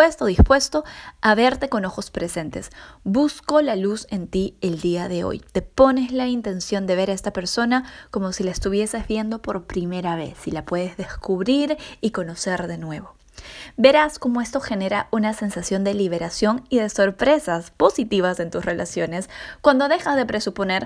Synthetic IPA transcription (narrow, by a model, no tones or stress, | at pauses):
est̪oðispwe̞st̪o̞aβe̞ɾt̪e̞ko̞no̞xo̞spɾe̞se̞nt̪e̞sbusko̞laluse̞nt̪ie̞ld̪iaðe̞o̞̰jt̪e̞po̞ne̞zlaint̪e̞nsjo̞nd̪e̞βe̞ɾae̞st̪ape̞ɾso̞nako̞mo̞silaest̪uβ̞je̞se̞zβje̞nd̪o̞po̞ɾpɾime̞ɾaβ̞e̞̰sːilapwe̞ðe̞zðe̞skuβɾiɾiko̞no̞se̞ɾðe̞nwe̞βo̞ | be̞ɾasko̞mo̞e̞st̪o̞xe̞ne̞ɾaʔunase̞nsasjo̞nd̪e̞liβ̞e̞ɾasjoŋiðe̞so̞ɾpɾe̞saspo̞sit̪iβ̞ase̞nt̪usre̞lʔa̰sjo̞ne̞skwand̪o̞ðe̞xazðe̞pɾe̞supo̞ne̞ɾ